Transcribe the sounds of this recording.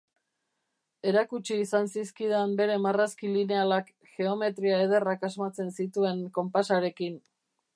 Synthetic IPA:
e̞ɾakut͡ʃiːsansiskiðambe̞ɾe̞maraskiline̞alak | ʝe̞o̞me̞t̪ɾiaeð̞e̞rakazmat͡se̞nsit̪ue̞ŋko̞mpasaɾe̞kin

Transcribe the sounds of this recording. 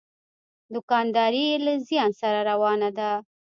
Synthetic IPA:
d̪ʊkɑnd̪ɑɾijelazjɑnsaɾaɾawɑnad̪a

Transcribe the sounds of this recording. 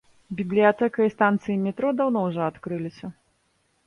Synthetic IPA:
bʲiblʲijat̪ɛkɐjist̪ant̪sɨjimʲɛt̪ɾɔd̪awnɔwʐɔat̪kɾɨlʲisʲɐ

